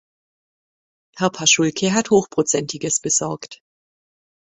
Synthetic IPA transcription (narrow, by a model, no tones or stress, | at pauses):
hɛɐpʰaʃʊlkʰəɦathoːxpʁ̥ot͡sɛntʰɪɡəsb̥əz̥ɔɐkt